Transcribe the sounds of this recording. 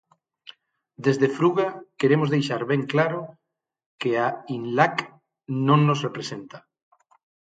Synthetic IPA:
d̪ezðefɾuɣakeɾemozðejʃaɾβɛŋklaɾʊ | keainlak | nõŋnosrepɾesent̪a

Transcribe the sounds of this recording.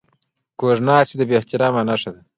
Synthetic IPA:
koʐnɑːt͡ʃid̪əbeht̪iɾɑːmanaʂad̪a

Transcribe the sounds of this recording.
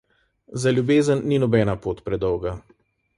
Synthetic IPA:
zalʲjubeːzənːinɔbɛnapoːt̪pɾɛd̪ɔwɡa

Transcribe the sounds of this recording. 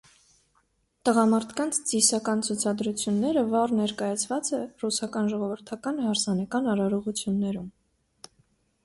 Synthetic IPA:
t̪əʁɑmɑɾt̪ʰkɑnt͡sʰt͡sisɑkɑnt͡sʰut͡sʰɑd̪ɾut͡sʰjunːɛɾəvɑrnɛɾkɑjɑt͡sʰvɑt͡sɛrusɑkɑnʒɔʁɔvəɾt̪ʰɑkɑnhɑɾsɑnɑkɑnɑɾɑɾɔʁut͡sʰjunːɛɾum

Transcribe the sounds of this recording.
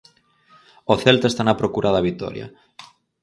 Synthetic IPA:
oθelt̪aest̪anapɾokuɾʔaðaβit̪o̰ɾja̰

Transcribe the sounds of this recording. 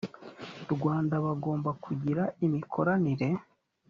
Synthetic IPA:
ɾɡwaːndaβaɡo̞ːmbakʰuɟiɾaimikʰo̞ɾaniɾe̞

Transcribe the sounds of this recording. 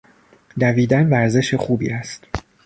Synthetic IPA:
d̪æviːd̪ænvæɾze̞ʃexuːbḭːæst̪

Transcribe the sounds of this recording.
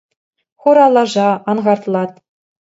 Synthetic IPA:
χuɾɑlˠɑʐɑɑnʁɑrt̪lˠɑt̪

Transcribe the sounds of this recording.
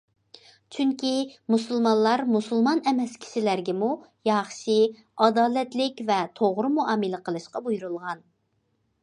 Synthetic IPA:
t͡ʃʰyŋkʲimusulˠmɑnlˠɑɾmusulˠmɑnɛmɛskʲʰi̥ʃɪlæɾɡʲɛmujɑχʃi | ɑd̪ɑːlɛt̪lɪkʲvɛt̪ʰoʁɾʊmuɑːmɨlɪqʰəlˠɨʃqɑbujuɾulˠʁɑn

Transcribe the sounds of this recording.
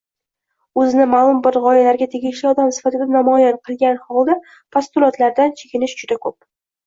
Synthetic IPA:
ɵzɪnɪmalˠʊmbɪɾʁɒjalaɾɡʲat̪ʰeɡʲɪʃliɒd̪amsɪ̥fat̪ɪd̪anamɒjanqʰɨlˠɡʲanhɒlˠd̪a | pʰast̪ʊlˠɒt̪laɾd̪ant͡ʃʰekʲɪnɪʃd͡ʒʊd̪akʰɵp̚

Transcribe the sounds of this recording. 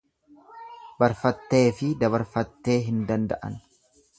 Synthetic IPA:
bɐɾfɐt̪ːe̞ːfɪd̪ɐβɐɾfɐt̪ːe̞ːɦɪnd̪ɐnd̪ɐ̰ʔɐ̰n

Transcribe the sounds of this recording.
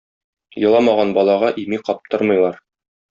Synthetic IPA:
jɤ̆lˠɑmɑʁɑnbɒlˠɑʁɑʔimiqɒp̚t̪oɾmɤ̆jlˠɑɾ

